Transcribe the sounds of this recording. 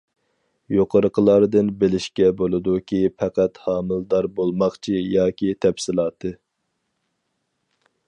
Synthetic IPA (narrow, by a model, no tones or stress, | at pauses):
joqʰəɾəqʰəlˠɑɾd̪ɨnbelɪʃkʲɛbolˠɨd̪ukʲʰipʰɛqæt̪hɑːmɨlˠd̪ɑɾbolˠmɑχt͡ʃʰijɑːkʲit̪ʰɛpsɪlˠɑːt̪ʰɨ